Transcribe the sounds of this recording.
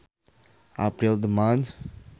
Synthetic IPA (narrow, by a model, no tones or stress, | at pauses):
a̰pɾild̪əmat͡ʃ